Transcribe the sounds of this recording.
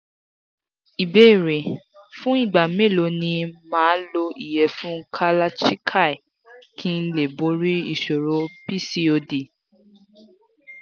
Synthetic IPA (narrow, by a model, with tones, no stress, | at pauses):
i˨be˨˦i˦˨ɾe˨ | fũ˦i˦˨ɡ͡ba˨me˦˨lo˨˧nĩ˧mãː˨˦n̩˦lo˧i˦˨jɛ˨fũ˦kʰa˦la˦t͡ʃi˦kʰa˦˨i˨ | kʰĩ˦n̩˦le˦˨bo˨˦ɾi˦i˦˨ʃo˨ɾo˨˦pi˦˨si˧˦o˧di˨